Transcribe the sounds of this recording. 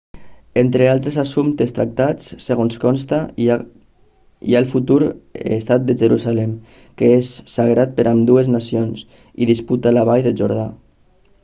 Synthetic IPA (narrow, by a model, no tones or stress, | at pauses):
ent̪ɾealˠt̪ɾezasumt̪est̪ɾa̰k̚t̪at͡sseɣonskɔnst̪a | ḭalfut̪uɾḛst̪at̪̚d̪əʒəɾuzalɛm | keesːaɣɾat̪̚pəɾʔamd̪ueznasions | ḭðisput̪alaβajðeʒuɾð̞a